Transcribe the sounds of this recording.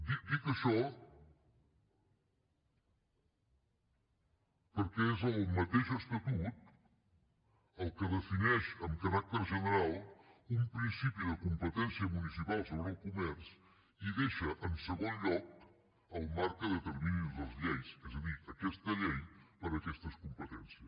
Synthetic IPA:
d̪ik̚d̪ikəʃɔ | pəɾkɛezəlˠmət̪eʃəst̪ət̪ut̪̚ | əlˠkəðəfinɛʃəmkəɾak̚t̪əɾʒənəɾalˠumpɾinsipiðəkumpət̪ɛnsiəmunisipalˠsoβɾəlˠkumɛɾs | iðeʃəʔənsəɣonʎɔk̚ | əlˠmaɾkəðət̪əɾminuzðəlˠzʎejsɛzəðiəkɛst̪əʎejpəɾəkɛst̪əskumpət̪ɛnsiəs

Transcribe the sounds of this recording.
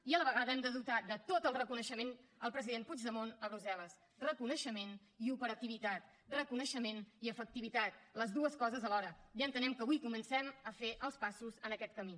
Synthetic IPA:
iələβəɣaðəɛmd̪əðut̪ad̪ət̪ot̪əlˠrəkunəʃəmenəlˠpɾəziðenpud͡ʒðəmonəβɾuzɛləs | rəkunəʃəmen | iupəɾət̪iβ̞it̪at̪̚ | rəkunəʃəmeniəfək̚t̪iβit̪at̪̚ləzðuəskɔzəzəlɔɾəjənt̪ənɛmkəβujkumənsɛməfeʔəlˠspasuzənəkɛt̪̚kəmi

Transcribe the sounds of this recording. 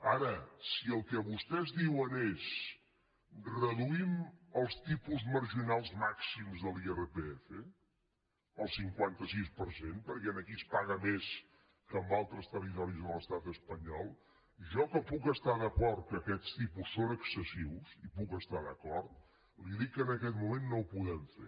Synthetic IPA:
aɾəsiəlˠkɛβust̪ɛzðiwənes | rəðuiməlˠst̪ipuzməɾʒinalˠzmaksimzðəlˠierəpeɛfə | əlˠsiŋkwant̪əsispəɾsenpəɾkɛənəkispaɣəmes | kəmbalˠt̪ɾəst̪ərit̪ɔɾizðəlˠəst̪at̪əspəɲɔlˠ | ʒɔkəpukəst̪aðəkɔɾt̪̚kəkɛst̪ipusːonəksəsiwsipukəst̪aðəkɔɾt̪̚ | liðikːənəkɛt̪mumenːowpuðɛmfḛ

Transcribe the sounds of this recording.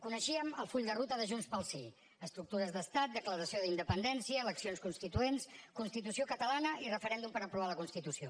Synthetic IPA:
kunəʃiəməlˠfuʎʲd̪ərut̪əðəʒunspəlˠsi | əst̪ɾuk̚t̪uɾəzðəst̪at̪̚d̪əkləɾəsioðind̪əpənd̪ɛnsiəːləksionskunst̪it̪uenskunst̪it̪̬usiokət̪əlanəirəfəɾɛnd̪umpəɾəpɾuβaləkunst̪it̪usio

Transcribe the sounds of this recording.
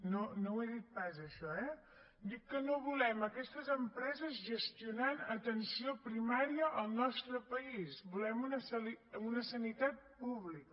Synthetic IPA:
nonoweðit̪̚pazəʃɔɛ | d̪ikːənoβulɛməkɛst̪əzəmpɾɛzəzʒəst̪iunanət̪ənsiopɾimaɾiəʔəlˠnɔst̪ɾəpəisbulɛmunəsəliunəsənit̪at̪̚puβlikə

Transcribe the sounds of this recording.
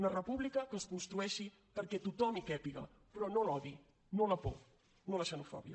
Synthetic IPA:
nərəpuβlikəkəskunst̪ɾuɛʃi | pəɾkɛt̪ut̪ɔmikɛpiɣɐ̰ | pɾɔnolɔði | nolɐpo̰ | noləʃənufɔ̰βjɐ̰

